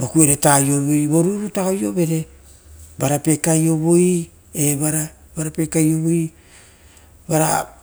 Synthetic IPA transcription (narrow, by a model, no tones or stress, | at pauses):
bokueɾetajo̞βojbo̞ɾuɾutaojo̞be̞ɾe̞ | baɾape̞kajo̞βoj | ebaɾabaɾapekajo̞βoj | baɾa